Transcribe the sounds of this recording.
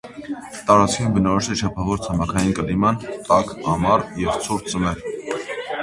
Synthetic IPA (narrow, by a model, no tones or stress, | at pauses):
t̪ɑɾɑt͡skʰɑjumbənɑɾɔʃt̪ɛt͡ʃʰɑpʰɑvɔɾt͡sʰɑmɑkʰɑjinkəlimɑnt̪ɑkɑmɑɾjɛvt͡sʰuɾt͡səmɛɾ